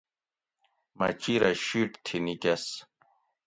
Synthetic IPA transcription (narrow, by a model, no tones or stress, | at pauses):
mɐ̰t͡ɕiɾɐɕiʈt̪ʰinikɐs